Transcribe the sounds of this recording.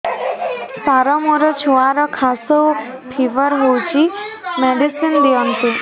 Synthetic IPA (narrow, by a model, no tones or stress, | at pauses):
saɾɔmuɾɔt͡ɕʰuaɾɔkʰasopʰiʋəɾɦot͡ɕimɛɖisind̪iɔnt̪u